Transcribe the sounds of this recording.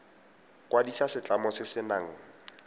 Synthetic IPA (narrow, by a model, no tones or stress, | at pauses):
kʼwadisasɪt͡ɬʼamɔsɪsɪna̰ːŋ̩